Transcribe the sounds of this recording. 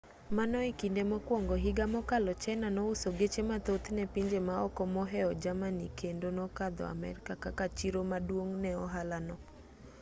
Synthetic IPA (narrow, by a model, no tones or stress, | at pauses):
manɔikindemɔkwɔŋɡɔɦiɡamɔkalɔt͡ʃɛnanɔusoɡet͡ʃemat̪ot̪nɛpiɲd͡ʒemaɔkɔmɔɦɛɔd͡ʒamanikendonɔkad̪ɔ̰a̰mɛ̰ɾkakakat͡ʃiɾomadwoŋnɛɔɦalanɔ